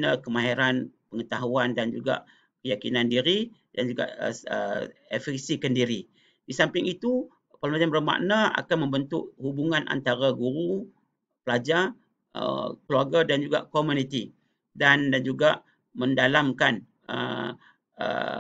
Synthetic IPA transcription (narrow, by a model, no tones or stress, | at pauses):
nakəmãɦiɾanpəŋət̪aɦuandand͡ʒuɡa̰ʔ | kəjakinandiɾi | dand͡ʒuɡa̰ʔə̰ḛfɛksikandiɾi | disampɪŋit̪u | palumad͡ʒambəɾəma̰ʔnãa̰kanmə̃mbənt̪ʊʔhubuŋãnʔa̰nt̪aɾaɡuɾu | pəlad͡ʒa | ə̰kəlwarɡadand͡ʒuɡa̰ʔkomunit̪i | dandand͡ʒuɡaʔ | məndalamkan | ə̰ | ə̰